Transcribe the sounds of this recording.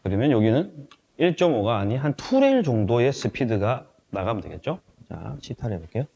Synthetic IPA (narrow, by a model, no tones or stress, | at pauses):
kɯɾimjʌnjoɡinɯn | iɭt͡ɕ͈ʌmoɡaːɲiɦantʰuɾeiɭd͡ʑoŋdoe̞sʰɯpʰidɯɡa | naɡamɯndwe̞ɡe̞t̚t͡ɕ͈o | t͡ɕa̰ɕʰitʰaɾebak͈ejo